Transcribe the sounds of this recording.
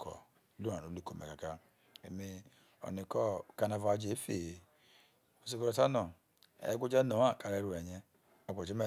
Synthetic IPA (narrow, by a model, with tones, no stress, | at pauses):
kɔ̰˨˦ | lu˦˨a˨o˨˦lu˦ko˨me˨ka˨ka˦ | e˨me˦ | o̰˨ni˨kɔ˦˨ka˦˨na˨va˨˦d͡ʒe˦fe˨e˨ | o˨s̬e˦ko˦ɾɔ˨ta˦nɔ˨ | ḛ˨˦ɡʷu˦d͡ʒa˦no˨a˦˨ka˨ɾe˦ɾu˦e˨ɲe˦ | a˨ɡʷo˨d͡ʒi˦me˦˨